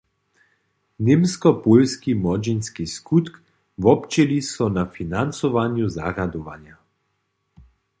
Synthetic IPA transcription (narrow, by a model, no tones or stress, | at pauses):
nemskɔpolskimɔd͡ʒinskiskut̪k | vɔpt͡ʃelisɔnafinant̪sɔʋanjuza̰ɣad̪ɔʋa̰nja